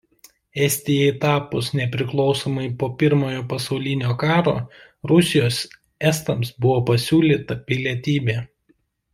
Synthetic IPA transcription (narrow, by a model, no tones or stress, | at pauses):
ɛsʲt̪ʲɪjɛɪt̪ɑːpʊsnʲɛpʲɾʲɪklˠɒʊsoːmɐɪpoːpʲɪɾmoːjoːpɐsɒʊlʲɪnʲoːkɑːɾo̰ː | ɾʊsʲɪjoːs | ɛst̪ɐmsbʊʋoːpɐsʲuːlʲiːt̪ɐpʲɪlʲiɛt̪ʲiːbʲeː